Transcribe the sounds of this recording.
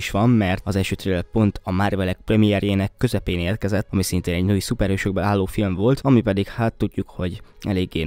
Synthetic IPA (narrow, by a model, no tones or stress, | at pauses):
ʃʋɒmːɛrt̪ɒzɛlʃøːt̪ɾeːlɛpo̞nt̪ʰɒmaːrvɛlɛk̚prɛmiɛrjeːnɛkːø̞zɛpeːneːrkɛzɛt̪ːɒmisint̪eːnɛɟnuːjsupɛrhøːʃøɡ̚bɛlaːlːoːfilmvo̞lt̪ɒmipɛd̪ikhaːt̪ːuɟːukho̞ɟɛleːɡːeː